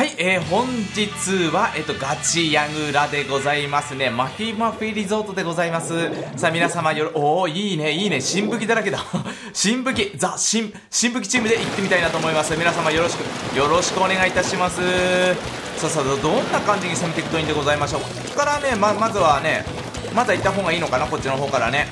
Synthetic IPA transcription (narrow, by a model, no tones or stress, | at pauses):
haiʔeːɦõ̞ɲd͡ʑit͡sɨβaʔe̞ːt̪ːo̞ɡat͡ɕijaɡɯ̟ɾad̪e̞ɡo̞zaimasɨne̞makʲimaɸɯ̟iɾʲizo̞ːt̪o̞d̪e̞ɡo̞zaimasɨsamʲinasamajoɾoiːne̞iːne̞ɕĩmbɯ̟kʲid̪aɾaked̪a | ɕĩmbɯ̟kʲizaɕĩm | ɕĩmbɯ̟kʲi̥t͡ɕiːmɯ̟d̪e̞it̪ːe̞mʲit̪ainat̪o̞ːmo̞imasɨmʲinasãmajo̞ɾo̞ɕi̥kɯ̟jo̞ɾo̞ɕi̥kɯ̟o̞ne̞ɡait̪aɕimasɨ | saːsad̪od̪õ̞nːakãɲ̟d͡ʑiɲ̟isemet̪e̞kʲɯ̥t̪o̞ĩnd̪e̞ɡo̞zaimaɕo̞ːk | kːaɾane̞mamazɨβane̞ | mad̪ait̪ːaɦõ̞ŋɡaiːno̞kanako̞t͡ɕːino̞ɦo̞ːkaɾa̰ne̞